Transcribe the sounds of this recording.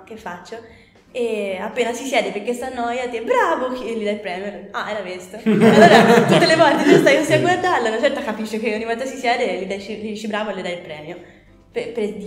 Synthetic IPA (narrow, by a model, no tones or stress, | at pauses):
k̟efːat͡ʃːo | eapːeːnasisjɛːd̪epeɾk̟est̪anːɔjad̪iɛbɾaːvokielːid̪ailpɾɛːmjoaɛɾavest̪oalːoːɾat̪ut̪ːelevɔlt̪enost̪ajkosiaɡward̪arlenat͡ʃɛrt̪akapiʃːekeoɲːivɔlt̪asisjɛːd̪elid̪at͡ʃilid̪iːt͡ʃebɾaːvolid̪ailpɾɛːmjo | pepeɾd̪i